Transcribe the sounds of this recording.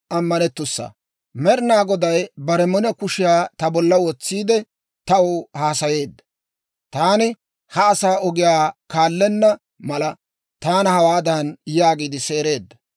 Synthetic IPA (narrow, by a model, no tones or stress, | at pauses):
ʔɐmːɐnɛt̪ːʊsːɐ̰ | mɛɾɪnaːɡɔd̪ɐjbɐɾɛmɔnɛkʊʃɪjaːt̪ɐbɔlːɐwɔt͡sːiːd̪ɛ | t̪ɐʊhaːsɐje̞ːd̪ːɐ̥ | t̪aːnɪ | hɐːsaːɔɡɪjaːkaːlːɛnːɐ | mɐlɐ | t̪aːnɐhɐwaːd̪ɐnjaːɡiːd̪ɪse̞ːɾe̞ːd̪ːɐ̥